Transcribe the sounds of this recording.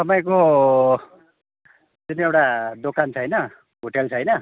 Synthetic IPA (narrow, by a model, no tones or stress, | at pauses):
t̪ʌpaj̃ko | d͡zunewʈad̪okant͡sʰʌjnʌ | ɦoʈelt͡sʰʌjnʌ